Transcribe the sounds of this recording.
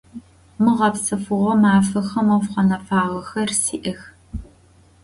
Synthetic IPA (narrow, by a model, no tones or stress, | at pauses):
mɨʁɐpsɨfɨʁʷɔmaːfɐxɐmɐwfqɐnɐfaːʁɐxɐrsḭːʔɐx